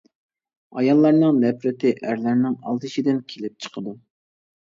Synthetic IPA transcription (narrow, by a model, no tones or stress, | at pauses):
ɑjɑlˠːɑɾnɨŋnɛpɾɪt̪ʰɪʔæɾlæɾnɪŋɑ̰lˠt̪ɨʃid̪ɪnkʲʰelɪp̚t͡ʃʰə̥qʰəd̪u